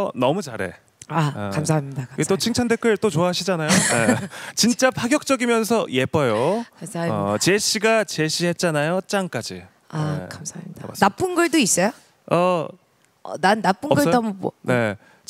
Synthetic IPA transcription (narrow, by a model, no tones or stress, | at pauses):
ʌnʌmut͡ɕaɾe̞̰ | akamsʰaɦamɲidaaɡet͈ot͡ɕʰiŋt͡ɕʰande̞kʰɯɭt͈ot͡ɕoaɦaɕʰid͡ʑanajonet͡ɕint͡ɕ͈apʰaɡjʌk̚t͡ɕ͈ʌɡimjʌns̬ʰʌje̞p͈ʌjokamsʰat͡ɕe̞ɕʰiɡat͡ɕeɕʰiɦe̞t̚t͡ɕ͈anajot͡ɕ͈aŋk͈ad͡ʑi | aḛkamsʰamidbanap͈ɯnɡʌɭdois͈ʌjo | ʌ | ʌ̰nanːap͈ɯnʌɡʌoɦamubʌ̰nne̞